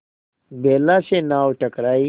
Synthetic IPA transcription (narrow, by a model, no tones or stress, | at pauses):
bʱeːlaɕẽnaːwʈʰəkɾaːi